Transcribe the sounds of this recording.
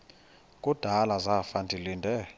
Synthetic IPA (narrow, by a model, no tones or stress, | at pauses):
kʼud̥ʱalazafandʰʱilindʱɛ